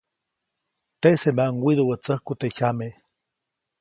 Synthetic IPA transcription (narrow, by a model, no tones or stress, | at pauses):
t̪eʔsemaʔŋwiðuwət͡səhkut̪eʔçame